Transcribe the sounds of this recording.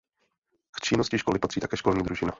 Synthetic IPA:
kt͡ʃɪnoscɪʃkolɪpat̪r̥iːt̪akɛːʃko̞lɲiːd̪ɾuʒɪna̰

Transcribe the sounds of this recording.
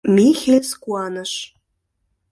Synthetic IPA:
mixeskuɑnə̆ʃ

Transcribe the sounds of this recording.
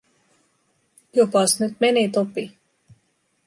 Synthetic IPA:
jopɑsnyt̪menit̪opi

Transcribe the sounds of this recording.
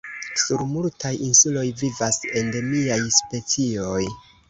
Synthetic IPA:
suɾmultʰajinsulo̞jvivase̞nde̞miajspe̞t͡sio̞j

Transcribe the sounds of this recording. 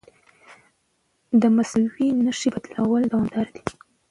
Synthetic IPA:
d̪əmaswinəʂibat̪lawəld̪awɑmd̪ɑɾd̪i̥

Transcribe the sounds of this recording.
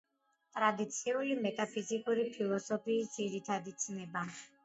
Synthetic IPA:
t̪ʼɾad̪it̪sʰiulimɛt̪ʼapʰizikʼuɾipʰilˠɔsɔpʰiːsd̪ziɾit̪ʰad̪it̪sʰnɛba

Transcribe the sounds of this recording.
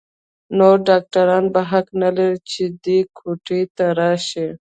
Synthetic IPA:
noɖaːk̚ʈaɾɑːnbaɦaknaleɾit͡ʃid̪ikʰuʈit̪aɾaːʃi

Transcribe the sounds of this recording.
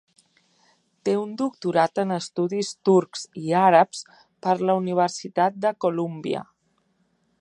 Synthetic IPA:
t̪eund̪uk̚t̪uɾat̪ənəst̪uðist̪uɾkz̥iaɾəps | pəɾləuniβ̞əɾsit̪at̪̚d̪əkulumbiə̰

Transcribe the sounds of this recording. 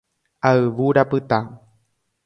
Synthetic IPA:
aɨʋuɾapɨt̪a

